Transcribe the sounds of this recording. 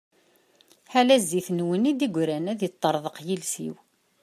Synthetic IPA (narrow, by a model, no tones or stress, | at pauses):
ħalæzːiθnwənid̪iɡʷɾænæðjət̪ˤːəɾˤðˤəqjilsḭw